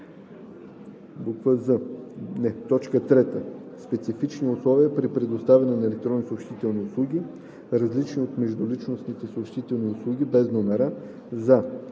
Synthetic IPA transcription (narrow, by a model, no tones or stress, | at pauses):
bukvəzənɛt̪ɔt͡ʃkət̪ɾɛt̪ə | spɛt̪sifit͡ʃniʊslˠɔviəpɾipɾɛd̪ost̪avʲɐnɛnɐɛlɛk̚t̪ɾɔnːisoːpʃt̪it̪ɛlˠniʊslˠuɡ̟ʲi | ɾɐzlit͡ʃniot̪mɛʒd̪ʊlit͡ʃnosnit̪ɛsoːpʃt̪it̪ɛlˠniʊslˠuɡʲibɛznomɛɾa | za